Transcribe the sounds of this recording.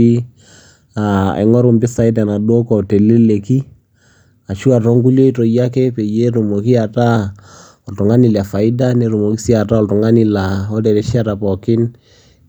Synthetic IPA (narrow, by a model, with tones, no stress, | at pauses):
i˦ | a˨ɛ̰˨ŋɔ˦ɾu˨mbɪ˦sa˨˦i˦t̬a˨na˨dwo˦kɔ˨te˨le˦le˨ki˦ | a˨ʃu˦a˨tɔ˦ŋɡu˦ljɔ˦i˦to˨ja˦kɛ˦pe˨je˦ɾu˨mo˨ki˦a˨ta˦ | ɔ˨ltu˨ŋa˦ni˨la˨fa˨ɪ˦da˦ne˨˦ɾu˨mo˨ki˦si˦a˨ta˦ɔ˦ltu˨ŋa˦ni˦la˨ɔ˦de˨ɾe˦ʃa˦ta˨pɔ˨kɪ˦n